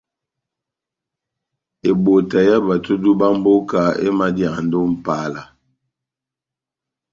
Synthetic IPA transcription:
e˨bo˨ta˨ja˦ba˨tu˦du˦ba˦m˦bo˦ka˨ḛ˦ma˦dja˨ndo˦m̩˦pa˦la˨

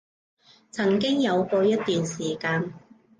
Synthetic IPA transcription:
t͡sʰɐ˨˩ŋkɪ˥ŋjɐ˨˧wkʷɔː˧jɐ˥t̚t̪yː˨nsiː˨˩kaː˧n

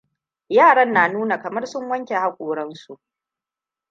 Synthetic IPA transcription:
jaː˦˨ɽɐ˦nːaː˨nuː˦na˨kɐ˨mɐ˦rsʊ˦ŋwɐ˦ŋkʲe˨ha˦kʷʼoː˨ɽɐ˦nsu˨ʔ

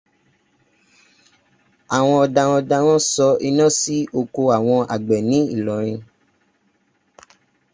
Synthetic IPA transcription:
a˨w̃ɔ̃˧ɔ˧da˧wɔ˧da˧ɾ̃ɔ̃˦sɔ˧˦i˧nã˦si˦ʔo˧ko˧a˨w̃ɔ̃˧a̰˨ɡ͡bɛ˨nĩ˨˦i˦˨lɔ˨ɾ̃ĩ˧

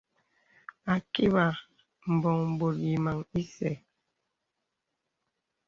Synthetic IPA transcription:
a˨ki˦ba˨ | m̩˨bɔ˨ŋm̩˨bo˨t̚ji˨ma˨ŋi˦sɛ˨

